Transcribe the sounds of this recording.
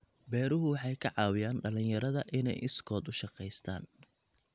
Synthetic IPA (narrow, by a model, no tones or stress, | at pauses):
bɛːɾʊɦʊwɑħɑjkʰɐʕɑːwɪjaːnɖɐlɪnjɐɾɐðɐʔɪnɛ̰jʔɪskʰɔːd̪ʊʃɑqɛjst̪ʰa̰ːn